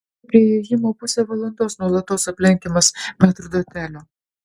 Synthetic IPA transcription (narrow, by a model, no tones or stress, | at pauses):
pʲɾʲiɛjejɪmoːpʊsʲɛːʋɐlˠɐnd̪oːsnuɔlˠɐt̪oːsɐpʲlʲɛŋʲkʲemɐspʲɛt̪ɾd̪oːt̪ʲæːlʲoː